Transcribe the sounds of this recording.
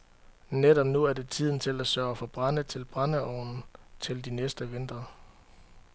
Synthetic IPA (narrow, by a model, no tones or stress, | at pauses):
ned̥ɒ̽b̥̚nuæɐd̥e̝t͡sʰið̞̰ˠn̩t͡sʰe̝læsɶːɐfɒ̽b̥ʁɑnət͡sʰe̝lb̥ʁɑnəɒʊnn̩t͡sʰe̝ld̥inesd̥əʋe̝nd̥ɐ